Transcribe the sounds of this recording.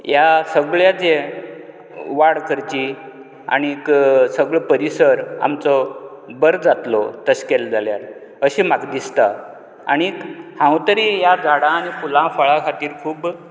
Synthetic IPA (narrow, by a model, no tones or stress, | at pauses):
jasəɡɭjat͡se | ʋaɽkʰəɾt͡ɕi | a̰ɽ̃iːksəɡɭɔpəɾisəɾa̰mt͡sɔbəɾd͡zat̪lɔt̪əɕkɛld͡zaljat̪ | əɕimaɡd̪ist̪a | aɽ̃ikhãwt̪əɾijad͡zʱaɽãːñifulãfəɭãkʰat̪iːɾkʰuːb